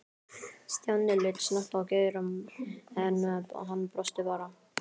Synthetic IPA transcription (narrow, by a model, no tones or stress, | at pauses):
st̪jawnːɪlɪt̪snaht̪awkejɾʏmɛnɦanːpɾɔst̪ɪpaːɾa